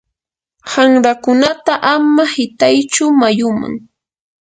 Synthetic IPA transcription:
haŋɾakʊnat̪aʔamahɪt̪ajt͡ʃʊmajʊma̰ŋ

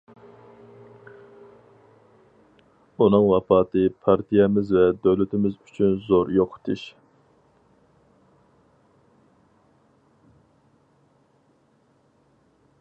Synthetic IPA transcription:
unɨŋwɑpɑːt̪ɨpʰɑɾt̪ʰijɛmɪzvɛd̪øwlyt̪ʰɪmɪzyt͡ʃʰynzoɾjoqʰt̪ʰɨʃ

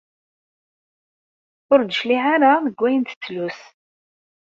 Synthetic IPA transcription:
ʊɾd̪əʃliʕaɾaðəɡʷːæjənt̪ə̥t͡sːlus

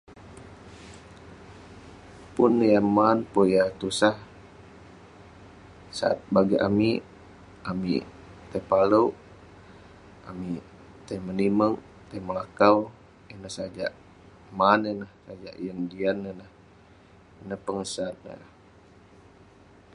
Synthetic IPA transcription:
punjamanpojat̪usah | sa̰a̰t̪̚baɡiʔa̰mi | ʔamḭ | t̪apaləw | ami | t̪ajməniməŋ | t̪ajməlakau | inəhsad͡ʒa̰ʔ | manənahsad͡ʒa̰ʔjəŋdianənah | inəhpəŋəsat̪̚n̰a

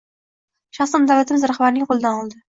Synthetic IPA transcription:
ʃɑχsɒnd̪avlat̪ʰɪmɪzɾaχbaɾnɪŋqʰolˠɪd̪anɒlˠd̪ɪ

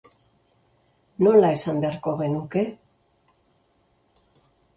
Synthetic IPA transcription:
no̞laesambeaɾko̞ɣe̞nuke̞

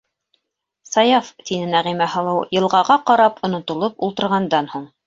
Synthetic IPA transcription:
sɑjɑft̪inɘnæʁimæhɤ̆lˠɤwjɤ̆lˠʁɑʁɑqɑɾɑpŏnŏt̪ŏlˠopulˠt̪ɤ̆ɾʁɑnd̪ɑnhuɴ

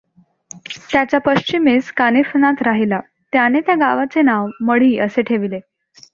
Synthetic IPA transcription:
t̪jat͡ɕjapəɕt͡ɕimeskanifnat̪ɾaɦila | t̪janet̪jaɡaʋat͡senaʋməɽ̤iːəseʈʰeʋile

